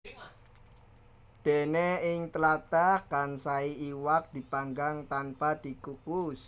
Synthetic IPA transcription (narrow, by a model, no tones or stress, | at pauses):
d̪̥e̤neɪŋt̪əlat̪akansaiiwak̚d̪̥i̤paŋɡaŋt̪anpad̪̥i̤kukus